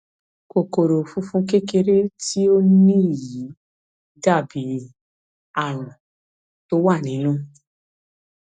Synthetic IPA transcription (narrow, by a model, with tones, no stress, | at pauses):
ko˨ko˨ɾo˨fũ˦fũ˦ke˦ke˧ɾe˦ti˦o˦nĩ˦i˦˨ji˨˦ | da˦˨bi˨˦ | a˦˨ɾ̃ũ˨ | to˦wa˦˨nĩ˨˦nũ˦˨